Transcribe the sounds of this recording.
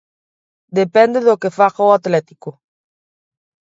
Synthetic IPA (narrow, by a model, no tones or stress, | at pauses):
d̪epend̪eðokefaxaoat̪let̪iko